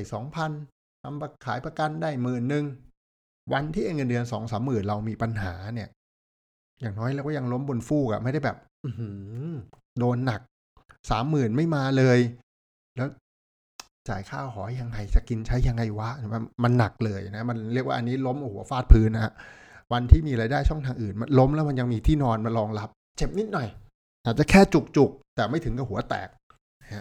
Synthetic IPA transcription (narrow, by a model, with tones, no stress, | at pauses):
jsɔː˩˦ŋpʰa˧n | t̪ʰa˧mpa˧kʰaː˩˦jpɾa˧ka˧ndaː˥˩jmɯː˨˩nːɯ˨˧ŋ | wa˧nt̪ʰiː˥˩ʔa˧nŋəː˧ndɯ˧ənsɔː˩˦ŋsaː˩˦mːɯː˨˩nɾa˧wmiː˧pa˧nɦaː˩˦ni˥˩ɐ | jaː˨˩ŋnɔː˦˥jɾi˥˩kwːja˧ŋlo˦˥mbo˧nfuː˥˩ka̰˨˩ma˥˩jda˥˩jbɛː˨˩p̚ʔɯ˧hɯː˨˧˩ | doː˧nːa˨˩k̚ | saː˩˦mːɯː˨˩nma˥˩jmaː˧lɤː˧j | lɛː˦˥w | t͡ɕa̰ː˨˩jkʰaː˥˩wɦɔː˩˦ja˧ŋːa˧jt͡ɕa˨˩ki˧nt͡ɕʰa˦˥jːa˧ŋːa˧jwa˦˥ʔa˧ma˧nːa˨˩k̚lɤː˧jna˦˥ma˧nɾi˥˩ək̚wa̰ː˥˩ʔa˧nːi˦˥lo˦˥mʔhu˨˩˦ɐfaː˥˩t̪̚pʰɯː˦˥nha˦˩wa˧nt̪ʰiː˥˩miː˧ɾaː˧jdaː˥˩jt͡ɕʰɔ˥˩ŋt̪ʰaː˧ŋʔɯː˨˩nma˧nlo˦˥mlɛː˦˥wma˧nja˧ŋmiː˧t̪ʰiː˥˩nɔː˧nma˧nlɔː˧ŋla˦˥p̚ | t͡ɕe˨˩p̚ni˦˥t̪̚nɔ˨˩j | ʔa˨˩t̪̚t͡ɕa˨˩kʰɛː˥˩t͡ɕu˨˩k̚t͡ɕu˨˩k̚t̪ɛː˨˩ma˥˩t̪ʰɯ˩˦ŋka˨˩hu˩˦ɐt̪ɛ̰ː˨˩k̚ | ha˦˥ʔ